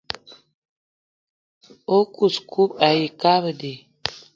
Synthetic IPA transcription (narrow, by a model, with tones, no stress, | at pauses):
o˦kʼu˨skʰu˦pa˨ji˨ka˦βə˨de˨